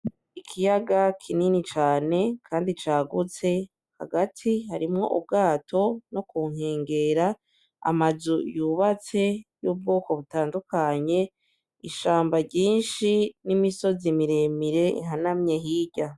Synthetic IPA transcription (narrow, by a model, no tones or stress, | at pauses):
ikʰijaɡakʰininit͡ʃaːne̞kʰaːndit͡ʃaːɡut͡se̞ | ha̰ɡatʰihaɾimŋo̞̰ʔṵb̚ɡaːtʰo̞no̞kuːŋ̥he̞ːŋɡe̞ɾa | a̰mazujuːβat͡se̞juːb̚ɡoːko̞βutaːndukaɲe̞ | iʃaːmbaɟiːnʃinimiso̞zimiɾemiɾe̞ʔḭŋɦanamɲe̞ɦiɟa